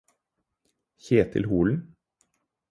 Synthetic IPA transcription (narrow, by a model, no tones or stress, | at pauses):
çeːt̪ʰɪ̰lhuːln̩